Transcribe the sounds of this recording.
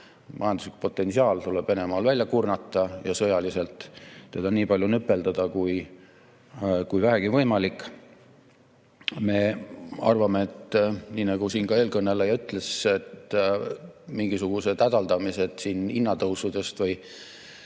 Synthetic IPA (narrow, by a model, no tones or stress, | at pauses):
mʔɑ̰jɑnd̪uslikpo̞t̪ːˑe̞nsiɑːlt̪ule̞b̥ve̞ne̞mɑːlvælʲjɑkurnɑt̪ːˑɑjɑsɤjɑlise̞lt̪ːe̞d̪ɑniːpɑlʲjunypːˑe̞ld̪ɑd̪̥ɑkuj | kujvæɦæɡ̥ivɤjmɑlikːˑ | me̞ɑ̰rvɑmeet̪ːniːnɑɡ̥usiːnkɑe̞ːlkɤnːe̞lejɑyt̪ːˑleset̪ | miŋɡisuɡ̥use̞t̪æd̪ɑld̪ɑmise̞d̪̥siːninːɑt̪ɤwsud̪̥e̞st̪vɤj